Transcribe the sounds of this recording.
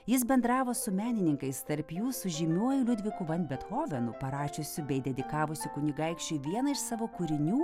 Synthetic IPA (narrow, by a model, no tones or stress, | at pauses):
jɪs̬bʲɛnd̪ɾɑːʋoːsʊmʲæːnʲɪnʲɪŋkɐɪst̪ɐɾʲpʲjuːsʊʒʲɪmʲuɔjʊlʲʊd̪ʲʋʲɪkʊʋɐnʲbʲɛt̪hoːʋʲɛnʊpɐɾɑːʃʲʊsʲʊbʲɛɪd̪ʲɛd̪ʲɪkɑːʋʊsʲʊkʊnʲɪɡɐɪkʃʲt͡ʃʲʊʋʲiɛnɐɪʃsɑːʋoːkʊɾʲɪnʲuː